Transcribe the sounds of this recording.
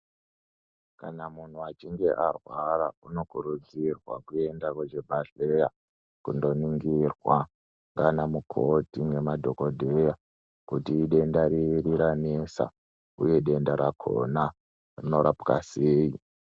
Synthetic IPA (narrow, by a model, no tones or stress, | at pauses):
kanamun̤uat͡ʃiŋɡe̞ʔarwaɾauno̞kuɾud͡zirwa̰kue̞ndakwet͡ʃebʱaɬeja | kundo̞niŋɡirwa | ŋɡanamukʰotiŋe̞madʱo̞ko̞dʱeja | kutiːɗe̞ndaɾiriɾanesa̰ | uje̞ɗe̞ndaɾakʰo̞̰na | rino̞ɾapka̰seːi